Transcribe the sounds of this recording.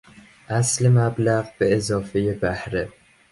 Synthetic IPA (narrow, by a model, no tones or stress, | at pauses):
aslɪmablaʁbɪezɒːfɪjabahɾɪ